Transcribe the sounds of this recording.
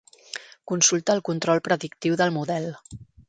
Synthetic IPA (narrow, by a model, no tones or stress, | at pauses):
kunsulˠt̪əːlˠkunt̪ɾɔlˠpɾəðikt̪iwðəlˠmuðɛl